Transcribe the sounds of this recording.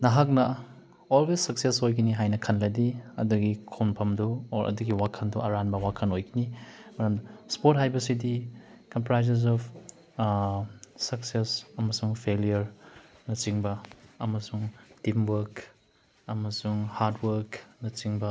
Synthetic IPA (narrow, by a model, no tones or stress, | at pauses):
nɐɦak̚nɐ | olwesːɐk̚sesojɡiniɦajnɐkʰɐnlɐdiɐ̰duɡikʰonpʰɐmduːɾʔɐ̰duɡiwakʰɐnduʔɐɾanbɐwakʰɐnojɡinimɐɾɐmdɐspoɾt̚ɦajbɐsidikɐmpɾajzez̬ɔp | sɐksesɐmɐsuŋpʰelijɐɾ | nɐt͡ʃiŋbɐɐmɐsuŋtimwɐɾk | ɐmɐsuŋhaɾdwɐɾknɐt͡ʃiŋbɐ